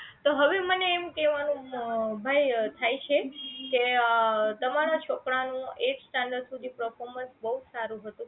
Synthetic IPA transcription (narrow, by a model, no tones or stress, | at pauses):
t̪oɦəʋeməneːmkeʋanũbʱajt̪ʰajt͡ʃʰeke | t̪əmaɾat͡ʃʰokɽanũeksʈãɳɖəɾɖsud̪ʱipəɾfʰoɾmənsbəɦud͡ʒsaɾũɦət̪ũ